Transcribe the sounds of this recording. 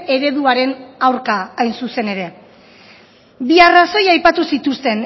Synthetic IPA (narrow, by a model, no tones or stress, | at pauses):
e̞ɾe̞ðuaɾe̞nawɾkaːjnsuse̞ne̞ɾe̞ | biaraso̞jajpat̪usit̪ust̪e̞n